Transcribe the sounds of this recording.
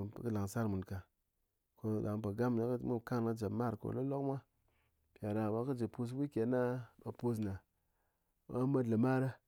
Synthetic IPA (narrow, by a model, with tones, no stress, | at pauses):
kɨ˦la˨ŋ˨sa˦ɾmu˨nka˨ | ko˧ɗa˨ŋpa˨ɡa˦m˨na˨˦kmu˦˨ka˦ŋna˨˦d͡ʒa˨bma˦˨ɾko̰˨lo˦lo˦kmʷa˦ | pja˨ɾa˨wa˦kɨ˦d͡ʒe˨pu˦˧s̬wi˦kʲe˨˦na˦ma˨po˦s̬na˨˦ | a˦ma˦dlə˨ma˦ɾa˦